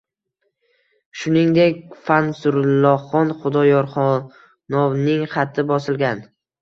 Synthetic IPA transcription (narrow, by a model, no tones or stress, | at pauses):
ʃʊnɪŋd̪e̞kʲfansʊɾɪlˠːɒχɒnχʊd̪ɒjɒɾχɒ | nɒwnɪŋχat̪ʰːɪbɒsɪlˠɡʲan